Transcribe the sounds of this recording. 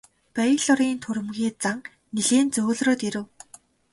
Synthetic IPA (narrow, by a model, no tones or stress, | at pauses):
pæjɮɔɾiːnt̪ʰuɾɘ̆mɣʲiːt͡saŋ | niɮeːnt͡soːɮroːt̪iɾɘ̆w